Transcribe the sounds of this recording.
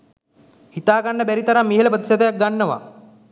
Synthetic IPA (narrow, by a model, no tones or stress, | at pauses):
hit̪aːɡaɳːɐbæɾit̪ɐɾamːiɦelɐbət̪isɐd̪ɐjak̚ɡaɳːɐʋa̰